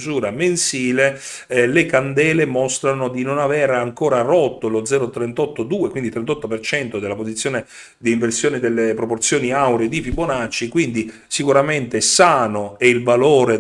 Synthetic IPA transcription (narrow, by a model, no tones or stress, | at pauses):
zuːɾamensiːle | lekand̪ɛːlemɔst̪ɾanod̪inonavɛɾaŋkoːɾarɔt̪ːolod̪zɛːɾot̪ɾent̪ɔt̪ːod̪uːekwind̪it̪ɾent̪ɔt̪ːopert͡ʃɛnt̪od̪elapozit̪sːjoːne | d̪iːɱversjoːnid̪elːepɾoport̪sjoːniawɾed̪ipiponat͡ʃːikwind̪i | sikuɾament̪esaːnoɛilvaloːɾe